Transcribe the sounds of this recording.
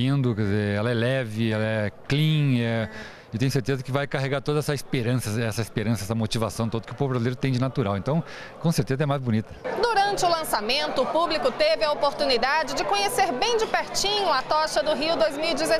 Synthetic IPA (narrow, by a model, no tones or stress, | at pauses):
ĩnd̪ʊkɛzeɾɛlɐɛlɛvɪɛlɐɛklĩɛ | ewt̪ẽjʊseɾt̪ezɐkɪvajkaɦeɡaɾt̪od̪ɐɛsɐispeɾɐ̃sɐɛsɐispeɾɐ̃sɐɛsɐmot͡ʃivasɐ̃w̃t̪od̪ʊkɪʊpovvɾazileɾʊt̪ẽj̃d͡ʒɪnat̪uɾawẽnt̪ɐ̃w̃ | kõseɾt̪ezɐɛmajzbunit̪ɐd̪uɾɐ̃nt͡ʃɪʊlɐ̃samẽnt̪ʊːpublikʊt̪evɪɐopoɾt̪unid̪ad͡ʒɪd͡ʒɪkõɲeseɾbẽj̃d͡ʒɪpɛɾt͡ʃĩɲʊɐt̪ɔʃɐd̪ʊɦiwd̪ojzmiwid͡ʒɪz